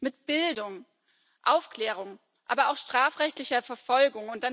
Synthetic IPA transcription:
mɪt̚b̥ɪldʊŋ | ʔaʊfkl̥ɛːʁ̞ʊŋ | ʔaːbɐaʊxʃtʁ̥aːfʁɛçtlɪçɐfɛɐfɔlɡʊŋʊntd̥an

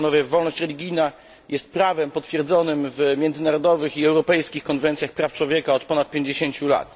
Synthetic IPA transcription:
nɔvʲjɛːɔlnɔɕt͡ɕɾɛlʲiɡʲijna | jɛst̪̚pɾavɛmpɔt̪fʲjɛɾd̪zɔnɘmvmʲjɛnd̪zɘnaɾɔd̪ɔvɘxiɛwɾɔpɛjskʲixkɔnvɛnt̪sʲjaxpɾaft͡ʂwɔvʲjɛkaɔt̪pɔnat̪̚pʲjeɲd͡ʑeɕeɲt͡ɕula̰t̪

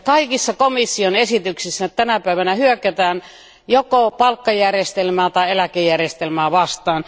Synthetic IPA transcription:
kɑikisːɑkomisːionesit̪yksisːænt̪ænæpæiʋænæhyøkæt̪æːn | jokopɑlkːɑjærjest̪elmæːt̪ɑielækejærjest̪elmæːʋɑst̪ɑːn

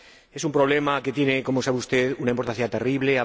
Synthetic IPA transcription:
e̞sumpɾo̞β̞le̞make̞t̪je̞ne̞ko̞mosaβeust̪e̞ðunaimpo̞ɾt̪ãθjat̪eriβle̞a

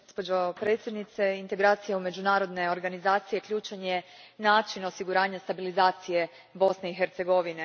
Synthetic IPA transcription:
ospo̞d͡ʑopɾet̪sjed̪nit̪se̞int̪eɡɾaːt̪sijaume̞d͡ʑunaːɾo̞d̪ne̞o̞ɾɡanizaːt̪sije̞kʎʲuːt͡ʃeɲe̞ | naːt͡ʃino̞siɡuɾaːɲast̪abilizaːt̪sije̞ | bo̞sne̞ixe̞ɾt̪se̞ɡo̞ʋine

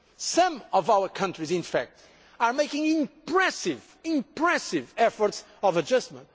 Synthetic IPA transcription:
sʌ̃mɔvawə˞kʰʌ̃ntɹizɪ̃nfæ̰k̚t̪ | aɹmeɪkɪ̃ŋɪ̃mppɹɛsɪv | ɪ̃mpɹɛsɪvɛfɔɾts | ɔvəd͡ʒʌstmə̰̃nt̚

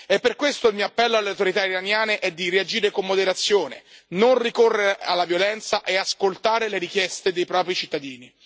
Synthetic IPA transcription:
epːerkwest̪oilmioapːɛlːoalːeawt̪oɾit̪aiɾanjaːneʔɛd̪ːiriad͡ʒiːɾekomːod̪eɾat̪sːjoːnḛnonrikorːeɾealːavjolɛnt̪saʔeaskolt̪aːɾeleɾikjɛst̪ed̪ejpɾɔːpɾit͡ʃit̪ːad̪iːni

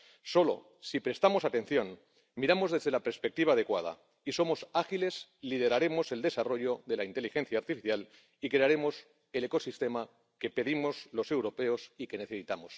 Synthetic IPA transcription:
so̞lo̞̰ | sipɾe̞st̪amo̞sat̪e̞n̟θjo̞n | miɾamo̞zðe̞zðe̞lapeɾspe̞k̚t̪iβaːð̞e̞kwað̞a̰ | iso̞mo̞saxile̞zlið̞e̞ɾaɾe̞mo̞se̞ld̪e̞saro̞ʝo̞ðe̞laint̪e̞lixe̞n̟θjaːɾt̪ifiθjal | ikɾe̞aɾe̞mo̞s | e̞le̞ko̞sist̪e̞ma | ke̞pe̞ðimo̞zlo̞se̞wɾo̞pe̞o̞sike̞ne̞θe̞sit̪amo̞s

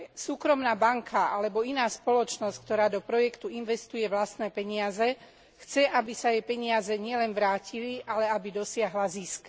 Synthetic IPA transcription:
suːkɾɔmnaːbaŋkʰaʔalɛbɔinaːspɔlɔt͡ʃnɔsck̚t̪ɔɾaːd̪ɔpɾɔjɛkt̪uinʋɛst̪ujɛʋlast̪nɛːpɛɲɪazɛ | xt͡sɛʔabisajɛpɛɲɪazɛɲɪɛlɛnʋɾaːciliʔalɛabid̪ɔsɪaɦlazisk

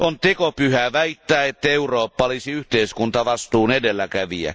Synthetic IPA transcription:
ʔont̪ekopyhæʋæit̪ːæːet̪ːæeuroːpːɑlisiyht̪eiskunt̪ɑʋɑst̪uːnedelːækæʋiæ̰

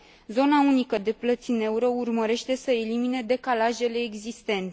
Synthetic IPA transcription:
zo̞naunikəd̪e̞plət̪sine̞uɾəurməɾe̞ʃt̪e̞səelimine̞d̪e̞kalaʒe̞le̞ːɡzist̪e̞nt̪e

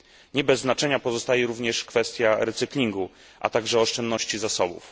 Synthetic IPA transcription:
ɲɛbɛzːnat͡ʂɛɲapɔzɔst̪ajɛɾuvɲɛʂkfɛst̪ʲjaɾɛt̪sɘklʲiŋɡu | ʔa̰t̪aɡʐɛɔʂt͡ʂɛnd̪nɔɕt͡ɕizasɔbṵf

